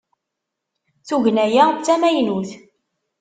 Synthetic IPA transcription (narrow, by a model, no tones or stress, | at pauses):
θuʝnæjæt͡sːæmæjnuθ